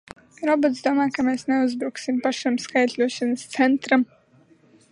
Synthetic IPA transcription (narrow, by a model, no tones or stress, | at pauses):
ɾɔbot̪sd̪uɔmaːkameːsneuzbɾuksimpaʃamskajt̪ʲlʲuɔʃanəst̪sɛnt̪ɾam